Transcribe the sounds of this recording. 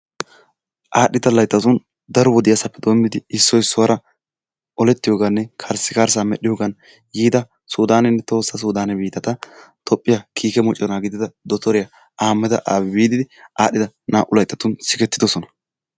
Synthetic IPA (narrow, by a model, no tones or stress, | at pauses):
ʔaːɗɪt̪ɐlɐjt̪ːɐt̪ʊn | d̪ɐɾɔwɔd̪ɪjasɐpːɛd̪ɔmd̪ɪd̪ɪɪsːɔjsːɔwɐɾɐ | ɔlɛt̪ːɪjoːɡɐnːɛkʰɐɾsːɪkaːɾs̬amɛɗɪjoːɡɐn | jiːd̪ɐ | suːd̪aːnɛnːɛt̪o̞ːsːɐs̬uːd̪aːnɛbiːt̪ɐt̪ɐt̪ʰɔpʼːɪjakʰiːkɛmɔt͡ʃʼːɔnaːɡɪd̪ɪd̪ɐd̪ɔt̪ɔɾɪjɐ | ʔaːmːɛd̪ɐʔaːbbiːd̪ɪd̪ɪaːɗɪd̪ɐnaːʔʊlɐjt̪ːɐt̪ʊnsɪkɛt̪ːɪd̪ɔsɔnɐ̥